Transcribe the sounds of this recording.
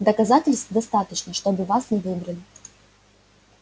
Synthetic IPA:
d̪əkɐzatʲɪlʲst̪vd̪ɐst̪at̪ət͡ɕnəʂt̪obɨvasnʲɪvɨbɾɐlʲɪ

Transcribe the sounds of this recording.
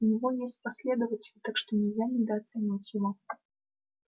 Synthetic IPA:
unʲaɣɔjɛsʲtʲt͡sʲpasʲlʲɛd̪əvɐt͡sʲɪlʲit̪akʂt̪ɔnʲɛwzʲanʲɛd̪ɐaːt̪sanʲat͡sʲulɔt̪ɐ̥

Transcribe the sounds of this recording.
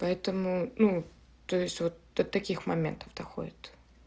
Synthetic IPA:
pɐɛt̪əmʊnu | t̪o̞jɪsʲtʲvo̞t̪̚d̪̥ət̪ɐkʲixmɐmʲe̞̰nt̪ə̥vd̪ɐxo̰dʲɪt̪

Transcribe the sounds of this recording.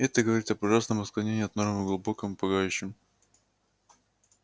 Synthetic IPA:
ɛt̪əɡəvɐɾʲit̪ɐpɐʐasnəmɨsklˠɐnʲenʲɪɐt̪nornəməɡlˠʊbo̞kəmpɐɡajʉɕːɪm

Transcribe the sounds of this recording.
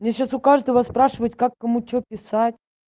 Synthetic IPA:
mnʲeɕasʊkaʐd̪əvəspɾaʂɨvətʲkakːɐmut͡ɕopʲɪsatʲ

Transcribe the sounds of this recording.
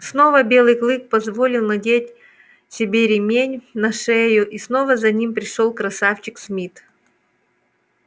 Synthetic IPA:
sno̞vəbʲe̞lˠɨjklˠɨk̚pɐzvolʲɪlˠnɐdʲet̚ʲ | sʲɪbʲeɾʲɪmʲenʲnɐʂɛjʊʔisno̞vəzɐnʲimpɾʲɪʂolˠkɾɐsaft͡ɕɪksmʲit̪

